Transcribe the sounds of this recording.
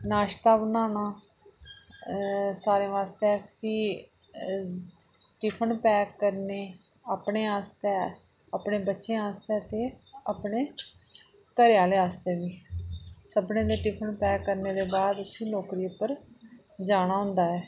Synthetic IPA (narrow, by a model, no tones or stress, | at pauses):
naːʃt̪aːbənaːnaː | saːɾẽːʋaːst̪eɛːpʰiː | ʈɪpʰəɳpɛːkːəɾneː | aːpɳeːaːst̪ɛː | aːpɳeːbətːʃẽːaːst̪eːt̪eːapɳeː | kəɾjaːleːaːst̪eːʋiːsəbnẽːd̪eːʈɪpʰənpɛːəɾneːd̪eːbaːd̪əsĩːloːkɾiːʊpːəɾ | d͡ʒaːɽ̃ãːɦʊ̃nd̪aːɦɛː